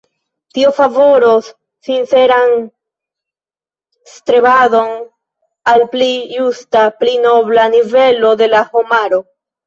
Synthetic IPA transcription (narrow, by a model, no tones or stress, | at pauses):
tiofavo̞ɾo | sinse̞ɾan | stɾebado̞n | alplijustaplino̞blanive̞lo̞d̪e̞lahomaɾo̞